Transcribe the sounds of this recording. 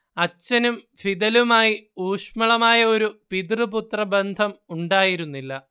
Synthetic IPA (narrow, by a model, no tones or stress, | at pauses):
ɐt͡ɕːɐnum | fid̪ɐlumaːjiuːʂmɐɭɐmaːjɐo̞ɾupid̪rɨput̪rɐbend̪ʱɐmuɳɖaːjiɾunːilːɐ